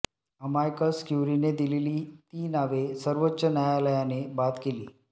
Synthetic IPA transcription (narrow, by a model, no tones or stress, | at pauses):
əmajkəskjuɾined̪ileliːt̪iːnaʋesəɾʋotːɕənjajaləjanebat̪kelḭː